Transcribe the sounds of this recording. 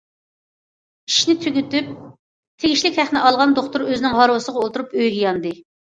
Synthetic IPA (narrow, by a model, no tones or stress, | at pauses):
i̥ʃnɪt̪ʰyɡʲyt̪yp̚ | t̪ʰeɡʲiʃlɪkʲhæχnɪʔɑlˠʁɑnd̪oχt̪uɾøzɪnɪŋɦɑɾwɨsəʁɑolˠt̪uɾupøjɡʲijɑnd̪ɨ